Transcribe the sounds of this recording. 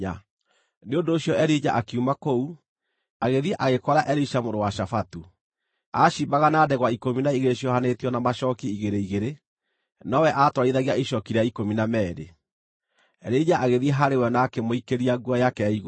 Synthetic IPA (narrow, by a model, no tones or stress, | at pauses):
a | neondoːɕjɔɛɾid͡ʑaʔakiumakou | aɣeðieʔaɣekɔɾaʔɛɾiʃamoɾowaʃafatu | aʃiːbaɣanaːdɛɣwaikominaiɣeɾeɕjɔhanetjɔnamaʃɔkiiɣeɾeiɣeɾe | nɔwɛʔatwaɾaiðaɣiaiʃɔkiɾeaikominamɛːɾḛ | ɛɾid͡ʑaʔaɣeðiɛɦaɾewɛnaːkemoikeɾiaɡuajakɛiɣo